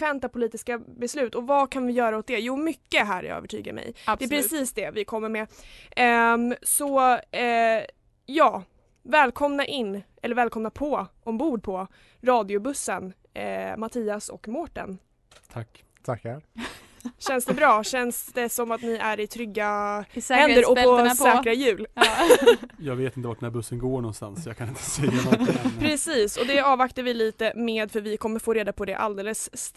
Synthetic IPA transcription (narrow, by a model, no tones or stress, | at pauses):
vɛnt̪apʰʊliːt̪ɪskabɛslʉ̟ːt̪ɔvakʰanvɪjœːɾaʊt̪̚d̪ɛjuːmʏkːəɦæ̰ːɾjɑ̰œ̰vəʈʰy̰ːɡa̰ɾmɛ̰j̪ɛpʰɾɪsiːsd̪ɛvɪkʰɔmːəɾmɛ | sɔ | jɑː | vɛːlkʰɔmnaʔɪnːʔɛlːəɾvɛːlkɔmnapʰɔʔɔmbuːɖ̚pʰɔ | ɾɑːd̪ɪʊbɵsːən | mat̪ʰiːasɔ̰kmɔʈa̰n | t̪ʰakː | t̪ʰaka | ɕɛnsd̪ɛbɾɑːɕɛnsd̪̥ɛsɔmat̪nɪæɾɪt̪ʰɾʏɡːahɛnd̪əɾɔɔsɛːkɾajʉ̟ːl | jɑːɡveːt̪ɪnt̪əvaʈ̚ɖɛnæɾbɵsːənɡoːɳɔnst̪a̰nsjɑːkʰanɪnt̪ʰə̥sɛjːanɔɪpʰɾɛsiːsɔd̪ɛɑːvakt̪aɾvɪliːt̪əmeːd̪fœɾvɪkʰɔmːəɾfoːɾeːd̪apʰɔd̪ɛʔa̰ld̪eːləs